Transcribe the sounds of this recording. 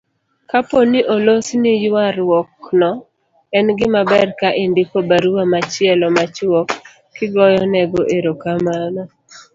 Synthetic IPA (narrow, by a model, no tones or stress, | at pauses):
kaponiʔolosnijwaɾwɔknɔ | ɛnɡɪmabɛrkaʔindikobaɾuwamat͡ʃɪɛlɔmat͡ʃwɔkː | ɪɡɔjɔnɛɡoʔeɾokamanɔ